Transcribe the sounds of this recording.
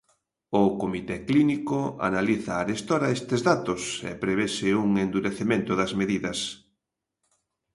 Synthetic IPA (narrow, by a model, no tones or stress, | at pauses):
ʊkomit̪ɛklinikoa̰naliθɐːɾest̪oɾɐest̪ɪzðat̪ʊsḛpɾeβesɪuŋend̪uɾeθemẽnt̪ʊðɐzmeðiðɐs